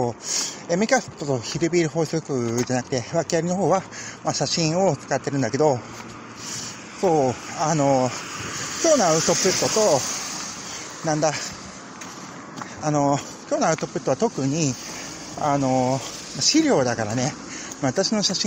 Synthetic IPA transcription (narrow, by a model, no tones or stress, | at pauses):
oemʲikasɨ̥tt̪ːo̞t̪oçiɾɯ̟bʲiːɾɯ̟ɦo̞ːsokɯ̟d͡ʑanakɯ̟̥t̪e̞βakʲiaɾʲino̞ɦo̞ːβamaɕaɕĩɰ̃o̞t͡skat̪ːe̞ɾɯ̟̃nd̪ake̞d̪o̞ | so̞ːano̞ | kʲo̞ːnaɯ̟t̪o̞pɯ̟t̪ːo̞t̪o̞ | nãnd̪a | ano̞ | kʲo̞ːnaɯ̟t̪o̞pɯ̟t̪ːoat̪o̞kɯ̟ɲ̟i | ano̞maɕiɾʲo̞ːd̪akaɾane̞ | maβat̪aɕino̞ɕaɕĩ